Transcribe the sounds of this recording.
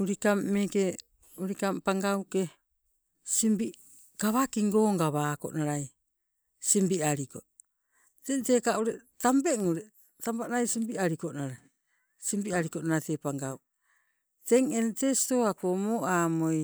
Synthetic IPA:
uɾikamːeke | uɾikampaŋɡawke | simbi | kaβakiŋɡoːŋɡaβaːko̰naɾaj | simbiaɾiko̰ | tenteːkauɾetambeŋuɾe | tampanajsimbiaɾikonaɾa | simbiaɾikonaɾatepaŋɡaw | teŋentesi̥to̞akomoʔaːmoj

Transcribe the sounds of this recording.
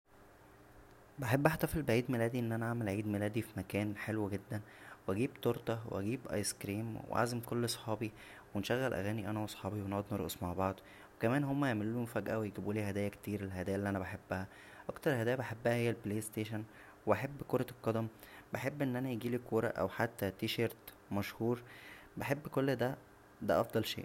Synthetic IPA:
baħebːʔæħt̪æfelbeʕiːd̪melæːd̪iʔenːʔænæʔaʕmælʕiːd̪melæːd̪ifimækæːnħelwɡed̪ːæn | weʔæɡiːbt̪oɾt̪ˤɑwḛʔæ̰ɡiːbʔɑ̰jskɾiːmwḛʕa̰zemkolːɑsˤħɑːbi | wenʃæɣːælʔæ̰ɣæːniʔænæwɑsˤħɑːbiweneʕod̪neɾʔo̰smaʕbɑʕd̪ˤ | wekæmæːnhomːæjeʕmelːumfæɡʔæwejeɡibuːliːhæd̪æːjækt̪iːɾelɦæd̪æːjælːiːʔænæbaħebːæhæ | ʔɑkt̪ɑɾˤhæd̪æːjæbeħebːæhæhejːælpleːst̪eːʃæn | weʔæħebːkoɾˤɑlqːɑd̪æmbeħebːʔenːʔænæjeɡiːliːkoːɾˤɑ̰ʔæ̰wħat̪ːæt̪iːʃɑɾˤt̪ | mæʃhuːɾbaħebːkolːd̪æ | d̪æʔɑfd̪ˤɑlʃḛːʔ

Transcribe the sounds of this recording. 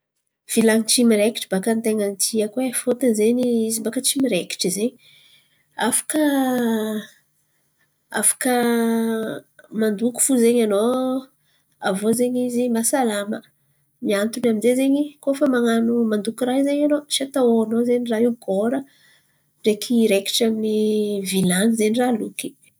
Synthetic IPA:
v̥ilaŋit͡ʃimiɾeki̥ʈ͡ʂibakant̪eŋant̪ʰiəkwefot̪anzeɲiizimbakət͡ʃimiɾeki̥ʈ͡ʂizeɲi | afḁkə | a̰fḁkə | mand̪uku̥fuzeɲano | a̰vozeɲizimasalamə̰ | miant̪unaminzezeɲikofəmaŋanumand̪ukiraɦizeɲanosat̪aoanozeɲiraɦiwɡoɾə | ɖ͡ʐekʰiɾeki̥ʈ͡ʂaminivilanizeɲiraluki̥

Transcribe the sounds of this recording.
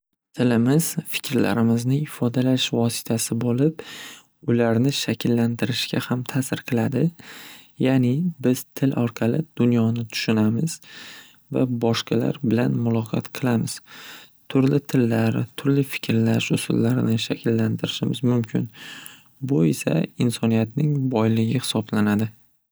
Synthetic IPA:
t̪ʰɪlɪmɪz̥fɪ̥kʲʰɾla̰ɾɪmɪznɪɪfɒd̪alaʃvɒsɪ̥t̪ʰasɪbolɪp | ʊlaɾnɪʃakʲʰɪlːant̪ɪɾɪʃkʲahamt̪ʰasɪɾqʰɨlˠad̪ɪ | janɪbɪz̥t̪ʰɪlʔɒɾqʰɑlɪd̪̥ʊnjɒnɪt̪ʰʊ̥ʃʊnamɪz | va̰bɒʃqɑla̰ɾbɪlanmʊlˠɒqʰɑ̰t̪qʰɨlˠamɪz̥ | t̪ʰʊɾlɪt̪ʰɪlːaɾt̪ʰʊɾlɪfɪ̥kʲʰɾlaʃʊsʊ̰lːaɾnɪʃakʲʰɪlːant̪ʰɪɾɪʃɪmɪzmʊmkʲʰɪn | bʊesa̰ɪnsɒnijat̪nɪŋbɒjlɪɡʲɪhɪ̥sɒblanad̪ɪ

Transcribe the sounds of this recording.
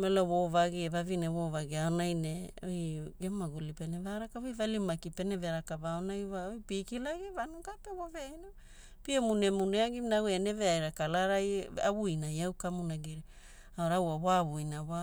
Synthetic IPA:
meloβovaɡievavineβovaɡiaonajneojɡemaɡulipenevaɾakaβojvalimakipe̞neveɾakaβaonajβaojpikilaɡivanukapeβoveino | piemune̞muneaɡimnawene̞veajɾakalaɾaja̰βujnajawkamunaɡiɾi | aoɾawaβoaβujnaβa

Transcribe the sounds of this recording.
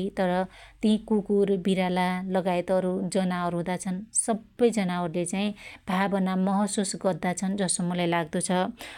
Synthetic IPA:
t̪ʌɾʌt̪ĩkukurbiɾalalʌɡaet̪ʌɾud͡zʌnaʌɾuɦũd̪at͡sʰʌnsʌbːʌjd͡zʌnaʌɾulet͡saĩbʱabʌnamʌɦʌsusɡʌrd̪at͡sʰʌnd͡zʌsʌmːulajlaɡd̪ot͡sʰʌ

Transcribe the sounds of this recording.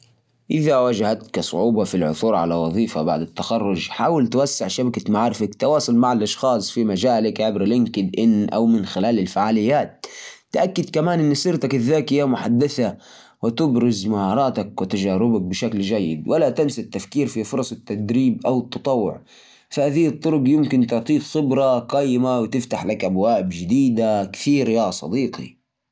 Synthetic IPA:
ʔɪðawad͡ʒahat̪kasˤʊʕuːbɑfilʕʊ̰θuːɾʕa̰lawɑðˤiːfaba̰ʕd̪at̪ːaxɑrˤːʊd͡ʒħaːwɪlt̪wasːɪʕʃabakamaʕɾɪfakt̪ɪwɑːsˤɑlmaʕalʔɑʃxɑːsˤfimad͡ʒaːlɪkʕɪbɾlɪŋkɪd̪ʔɪnːʔa̰wmɪnxɪlaːlɪlfaʕaːlɪjːaːt̪ːʔakːɪd̪kamaːnʔɪnːsɪɾt̪akʔɪðːaːkhɪjːamʊħad̪ːaθa | wɪt̪ɪbɾɪzmahɑːɾˤɑːt̪akwɪt̪ad͡ʒaːɾɪbak̚bɪʃakld͡ʒajːɪ̰d̪walat̪amsat̪ːafkiːɾfifʊɾˤɑsˤɪt̪ːad̪ɾiːbʔawɨt̪ːɑt̪ˤɑwːʊ̰ʕ | fahaːðiːt̪ˤːʊɾʊɡjɪmkɪnt̪ʊʕt̪ˤiːfxɪbɾˤɑqɑːjːɪmawɪt̪ɪft̪aħlakʔabwaːbd͡ʒɪd̪iːd̪akθiːɾjasˤɑ̰d̪iːqḭ

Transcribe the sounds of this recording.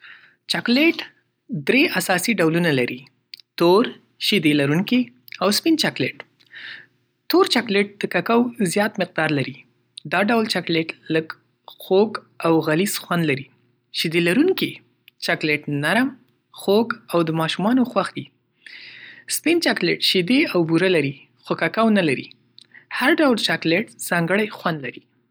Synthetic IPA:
t͡ʃɑkleʈ | d̪ɾeʔasɑsiɖawlunalaɾi | t̪oɾ | ʃid̪elaɾuŋki | awspint͡ʃakleʈ | t̪oɾt͡ʃɑkleʈ̚d̪̥əkakawzjɑt̪mɪq̚d̪ɑɾlaɾi | d̪ɑɖawlt͡ʃakleʈləɡ | xoɡ | awɣalizxwand̪laɾi | ʃid̪elaɾuŋki | t͡ʃɑkleʈnaɾm | xoɡawd̪əmɑʃumɑnoxwaxd̪i | spint͡ʃɑkleʈʃid̪eawbuɾalaɾi | xokakawnalaɾḭ | haɾɖawlt͡ʃɑkleʈz̥ɑŋɡəɽajxwand̪laɾi

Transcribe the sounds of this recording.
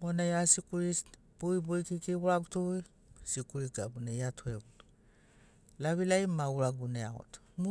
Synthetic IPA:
monajasikuɾis | puibojkikiuɾaɡutui | sikuɾiɡabunajatʰoeɡutu̥ | laβilajmauɾaɡuneao̰to̥m

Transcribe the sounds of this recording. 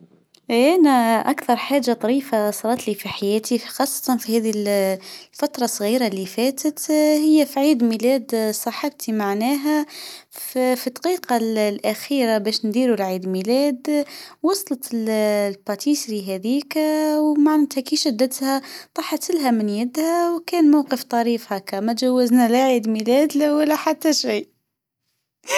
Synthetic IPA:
ʔʔænæʔakθɑɾˤħaːʒːat̪ˤɑɾiːfasˤɑɾˤɑt̪lifiħajɛːt̪ʰixɑːsˤːɑ̥t̪ɑnfihæːðil | fat̪ɾˤɑsˤːɣiːɾalːifɛːt̪ət̪hɪjːæfiʕiːd̪milɛːd̪sˤɑħɪb̚t̪imaʕnɛːɦæ | fit̪ːqiːqɑllʔæxiːɾabɛːʃnd̪iːɾulʕiːd̪milɛːd̪wɑsˤlɑt̪llbɑt̪ʰiːsɾiɦæðiːkwmaʕnt̪hækiʃæd̪ːət̪hæt̪ˤɑħɑt̪ːɪlɦæmɪnjɪd̪hæwkɛːnmawqəft̪ˤɑɾiːfhækamæʒawːəznælaʕiːd̪milɛːd̪lawəlːæħat̪ːæʃiː

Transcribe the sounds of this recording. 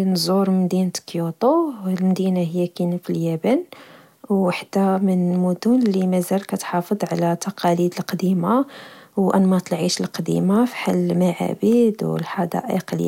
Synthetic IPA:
nzˤuɾmmd̪int̪kjut̪ˤolmd̪inahəjːækinəfiljæbæn | waħd̪æmənmud̪unlimæzælkæt̪ħɑfəd̪ˤʕalæt̪ɑqɑlid̪əlqɑd̪imawʔænmɑt̪ˤlʕiʃəlqɑd̪ḭmafi̥ħalːmaʕa̰bid̪wə̰lħɑd̪ɑ̰ʔḭqlja

